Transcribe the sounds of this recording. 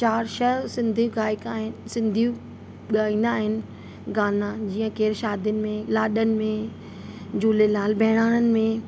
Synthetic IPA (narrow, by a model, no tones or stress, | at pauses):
t͡ɕaːɾʃɐsɪ̃nd̪ʱijũɡaːɪkaːɦɪnsɪ̃nd̪ʱijũ | ɠaːĩːn̆d̪aːɦɪnɪ̆ | ɡaːnãd͡ʑiːə̃keːɾʃaːd̪ənɪ̆mẽlaːɗənɪ̆mẽ | d͡ʑuːlelaːlbʱɛɦɪɽ̃aːɽ̃ənɪ̆mẽ